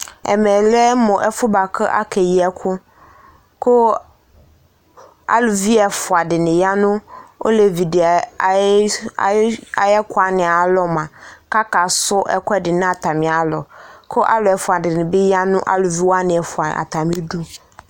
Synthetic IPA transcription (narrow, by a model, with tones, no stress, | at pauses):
ɛ̰˨mɛ̃˨lɛ˦mʊ̃˨ʔɛ˨fʊ˦ba˨kʰə˦ʔa̰˦kʰɛ˨ji˨ɛ˨kʰʊ˦ | kʰʊ˦ | a̰˦lʊ˨vi˦ɛ˨fʊ˨a˨dɪ˨nɪ̃˨ja˦nʊ̃˦o̰˦lɛ˨vi˨d | a˨jɛ˦kʰʊ˦a˨nɪ̃˨a˨˦lɔ˨mã˨ka˦ka˨sʊ˦ʔɛ˦kʷɛ˦dɪ˨nʊ̃˦a˨tʰa˨mɪ̃˨a˨˦lɔ˨kʰʊ˦ʔa̰˦lʊ˨ɛ˨fʊ˨a˨dɪ˨nɪ̃˨bɪ˦ja˦nʊ̰̃˦ʔa̰˦lʊ˨vi˦wa˦nɪ̃˨ɛ˨fʊ˨a˨a̰˨tʰa˨mɪ̃˦du˦